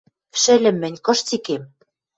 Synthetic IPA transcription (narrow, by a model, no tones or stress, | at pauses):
ʃɘ̆lʲɘ̆mːɘ̆nʲkɤ̆ʃt͡sikem